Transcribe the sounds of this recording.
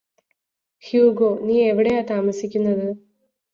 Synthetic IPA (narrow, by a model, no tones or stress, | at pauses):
hjuːɡoːniːe̞ʋiɽejaːt̪aːmɐsikʲːunːɐðɨ